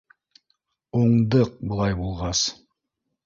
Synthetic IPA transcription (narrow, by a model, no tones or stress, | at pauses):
oɴd̪ɤq̚bŏlˠɑjbulˠʁɑs